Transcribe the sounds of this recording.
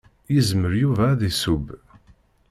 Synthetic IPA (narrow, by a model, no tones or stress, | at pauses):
jizməɾjuvæðisub